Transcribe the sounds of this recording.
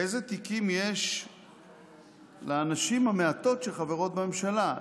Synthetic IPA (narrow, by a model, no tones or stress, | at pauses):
ejze̞t̪ikimjeʃ | leːnaʃimhameat̪o̞tʃelχaveʁot̪̚beme̞mʃala